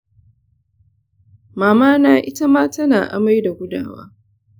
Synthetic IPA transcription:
maː˨maː˦naː˨ʔɪ˦ta˦maː˦ta˦naː˨ʔa̰˨ma˦jda˨ɡʷʊ˦da̰ː˨wa̰ː˦

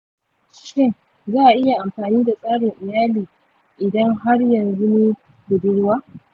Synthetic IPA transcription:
ʃɪ˦ŋ | zaː˦˨ʔa˨ʔɪ˦ja˨ʔa˨mɸaː˨niː˦da˨sʼaː˦ɽɪ˨ŋʔɪ˨jaː˦liː˨ | ʔɪ˨dɐ˦ŋɦa˦ɽjɐ˨nzʊ˦ni˦ | ɡʊ˨bɪ˦ɽwaː˦

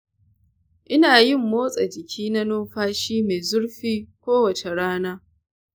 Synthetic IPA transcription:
ʔɪ˦naː˨jɪ˦˨mːoː˦sʼa˨d͡ʒɪ˨kʲʰiː˦na˦noː˦ɸaː˦ʃiː˦me˨zʊ˦ɽɸiː˦kʷoː˦wɐ˨t͡ʃe˨ɽaː˦naː˦

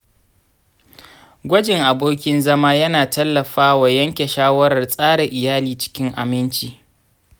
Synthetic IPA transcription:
ɡʷɐ˦d͡ʒɪ˨ŋʔa˨boː˦kʲɪ˦nzɐ˦maː˦jɐ˦naː˨tɐ˦lːɐ˨ɸaː˦wa˨jɐ˦ŋkʲe˨ʃaː˦wɐ˦ɾɐ˨rsʼaː˦ɽe˨ʔɪ˨jaː˦liː˨t͡ʃɪ̥˦kʲɪ˦ŋʔa̰˨mɪ˦nt͡ʃiː˨

